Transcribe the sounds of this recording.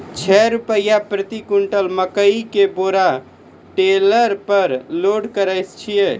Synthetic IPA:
t͡ʃʰɛɾupəjapɾət̪ikuɳʈəlməkəikeboɾa | ʈeləɾpəɾloɽkəɾəjst͡ʃʰije

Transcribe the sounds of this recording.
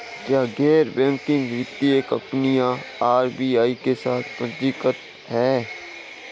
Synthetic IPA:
kjaːɡɛːɾbɛ̃ːmkiɾɪt̪ːieːkə̰mpnijãaːɾbiːaːikesaːt̪ʰpəd̪ikət̪ | hɛː

